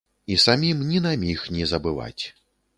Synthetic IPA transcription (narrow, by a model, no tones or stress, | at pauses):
isamʲimnʲinamʲixnʲɛzɐbɨva̰t͡sʲ